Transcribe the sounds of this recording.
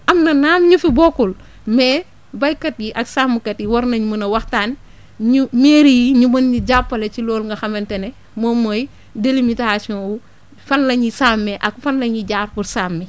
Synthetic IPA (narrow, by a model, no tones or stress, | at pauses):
ʔɐmnɐnaːmɲufibokul | meː | bajkɐt̚jiʔɐksaːmːukɐtiwɐɾnɐɲumunɐwɐxtaːn | ɲumeːɾijiɲumɐnɲiɟapːɐlet͡ʃiloːlŋɡɐxɐmentene | momoj | delimitasɔwu | fɐnlɐɲisaːmːeʔakfɐnlɐɲiɟaːɾpuɾsaːmːɛ